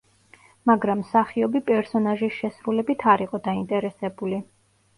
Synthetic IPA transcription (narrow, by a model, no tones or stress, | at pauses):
maɡɾamːsaχiɔbipʼɛɾsɔnaʒisʃɛsɾulɛbit̪ʰaɾiqʼɔd̪aint̪ʼɛɾɛsɛbuli